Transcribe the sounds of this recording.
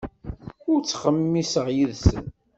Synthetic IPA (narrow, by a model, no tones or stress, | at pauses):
ʊɾt͡sːχəmːisəʁjiðsə̰n